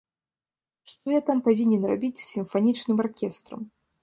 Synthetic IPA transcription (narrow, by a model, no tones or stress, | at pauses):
ʂt̪ɔjat̪ampavʲinʲɛnra̰bʲit͡sʲsʲimfanʲit͡ʂnɨmarkʲɛst̪ɾɐ̰m